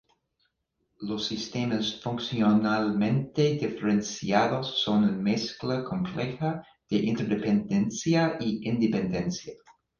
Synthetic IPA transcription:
losːist̪emasfuŋksjionalmẽnt̪ed̪ifeɾensiaðosːonunmesklakʰomplexɐ | ð̥eʔint̪eɾd̪epend̪ensjaʔiʔind̪epend̪ensja

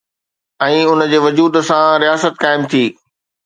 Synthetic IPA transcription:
ɛ̃ːʊnd͡ʑeːʋɐd͡ʑuːd̪sãɾijaːsət̪̚kaːɪmt̪ʰiː

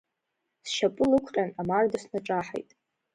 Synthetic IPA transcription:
sʃapʼʊlɨkʷʰqʲʼanamardasnaʈ͡ʂʼaħa̰jtʼ

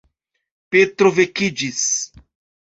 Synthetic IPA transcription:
pet̪ɾovekid͡ʒis

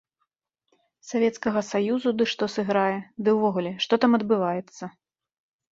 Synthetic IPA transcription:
savʲɛt̪skɐɣɐsajuzud̪ɨʂt̪ɔsɨɣɾajɛd̪ɨwvɔɣulʲɛʂt̪ɔt̪amɐd̪bɨvajɛt̪sːɐ

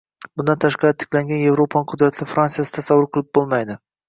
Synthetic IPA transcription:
bʊnd̪ant̪ʰaʃqɑɾt̪ʰɪ̥kʲlaŋɡʲanje̞vɾopʰanɪqʰʊd̪ɾat̪ʰlɪfɾansijasɪ̥t̪ʰasavːʊɾqʰɨlˠɪp̚bolˠmajd̪ɪ

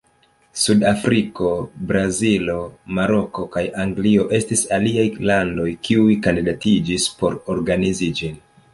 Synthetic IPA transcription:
sudafɾiko̞bɾazilo̞maɾo̞ko̞kajaŋɡlio̞ʔe̞stisaliajlando̞jkʰiujkandidatid͡ʒispo̞ɾo̞ɾɡanizid͡ʒin

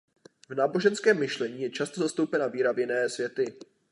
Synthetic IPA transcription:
vnaːbo̞ʒɛnskɛːmːɪʃlɛɲiːjɛt͡ʃast̪o̞zast̪owpɛnaviːɾavjɪnɛːsvjɛt̪ɪ

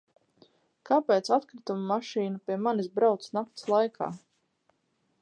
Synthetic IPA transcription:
kapeːt̪sat̪kɾɪt̪umumaʃiːnapiɛmanizbɾawt̪snakt̪slˠajkʰa̰ː

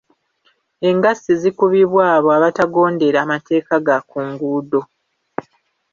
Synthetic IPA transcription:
e̞ŋɡasizikuβiβwaːβo̞aβataɡo̞ːnde̞ɾamatʰe̞ːkaɡakuŋɡuːdo̞

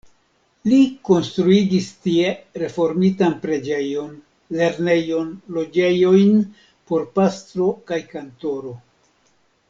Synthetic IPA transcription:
liko̞nstɾuiɡistie̞ɾe̞fo̞ɾmitanpɾe̞d͡ʒe̞jo̞n | le̞ɾne̞jo̞nlo̞d͡ʒe̞jo̞jn | po̞ɾpastɾo̞kajkanto̞ɾo̞

